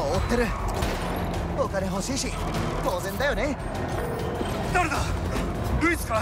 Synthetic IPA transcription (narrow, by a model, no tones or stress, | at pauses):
oːt̪ːeɾɯ̟ | okaneɦo̞ɕiːɕi | t̪o̞ːzẽ̞nd̪ajo̞ne | d̪aɾɯd̪a | ɾɯit͡sɨ̥kaa